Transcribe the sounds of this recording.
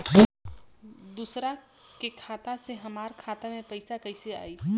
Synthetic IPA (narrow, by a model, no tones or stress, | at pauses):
d̪uːsɾa | kekʰaːt̪aseɦɐmaːɾkʰaːt̪amẽpɐɪsakɐɪsea̰ːiː